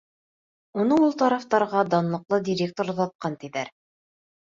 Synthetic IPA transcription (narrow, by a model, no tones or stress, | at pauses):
unɤulˠt̪ɑɾɑft̪ɑɾʁɑd̪ɑnlˠɤ̆qlˠɤd̪ʲiɾʲek̚t̪oɾðɑt̪̚qɑnt̪iðæɾ